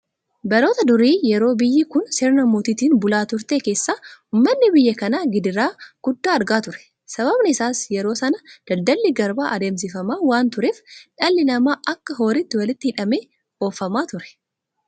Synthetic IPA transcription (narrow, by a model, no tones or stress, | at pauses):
bɐɾo̞ːt̪ɐd̪ʊɾiːjɛɾo̞ːbɪjːɪkʊnseːɾnɐmoːt̪iːt̪iːnbʊlaːt̪ʊɾt̪e̞ːke̞ːsːaːʊːmːɐnːɪbɪjːɐkɐnaːɡɪd̪ɪɾaːɡ̥ʊd̪ːaːɐɾɡaːt̪ʊɾɛ̥ | sɐβɐbnɪɪsaːsjɛɾo̞ːsɐnɐd̪̥ɐld̪ɐlːɪɡɐɾbaːʔɐd̪e̞ːms̬ɪfɐmaːwaːnt̪ʊɾeːfᶑɐlːɪnɐmaːʔɐkːɐɦo̞ːɾɪt̪ːɪwɐlɪt̪ːɪhɪᶑɐmeː | o̞ːfɐmaːt̪ʊɾɛ̥